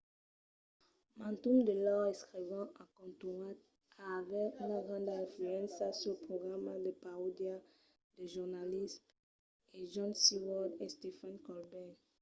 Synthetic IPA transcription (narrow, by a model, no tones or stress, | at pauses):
mãnt̪umd̪əlɔɛskχivɑ̃ʔakɔ̃nt̪uat̪̚ | aːvɛynaɡʁɑ̃d̪ɛ̃flyɑ̃nsasylpχoɡʁamad̪əpaod̪ja | d̪əʒuʁnalism | eʒɔ̃nsiwɔd̪est̪efãnkɔlbɛ